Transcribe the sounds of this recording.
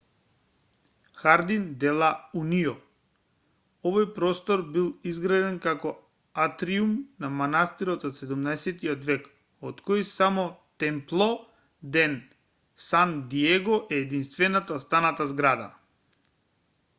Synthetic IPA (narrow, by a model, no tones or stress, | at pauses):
xaɾd̪ind̪ɛlˠauniɔ | ɔvɔjpɾɔst̪ɔɾbilˠizɡɾad̪ɛnkakɔ | at̪ɾiumnamanast̪iɾɔt̪ɔt̪sɛd̪umnaɛsɛt̪iɔt̪vɛk | ɔt̪kɔjsamɔt̪ɛmplˠɔ | d̪ɛn | sand̪iɛɡɔʔɛːd̪inst̪vɛnat̪atst̪anat̪azɡɾad̪a̰